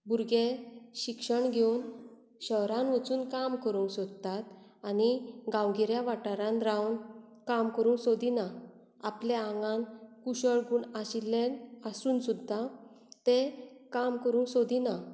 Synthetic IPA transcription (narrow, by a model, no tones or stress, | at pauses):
buɾɡeɕikʂəɳɡʱewn | ɕəwɾãnʋət͡suːnkamkəɾũŋksɔd̪̚t̪at̪̚aniɡãwɡiɾjaʋaʈaɾãnɾawn | kamkəɾũŋksod̪ina | apleãŋɡãnkuɕəɭɡuːɳaɕilːenasuːnsud̪ʱːa | t̪ekamkəɾũːŋsod̪ina